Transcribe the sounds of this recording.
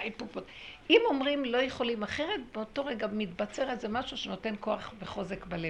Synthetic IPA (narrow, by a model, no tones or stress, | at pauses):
ajpuptimo̞mʁimlo̞jeχo̞limaχeʁetbeoto̞ʁeɡamit̪bat͡seʁelzemaʃuʃeno̞te̞nko̞aχveχo̞zekbale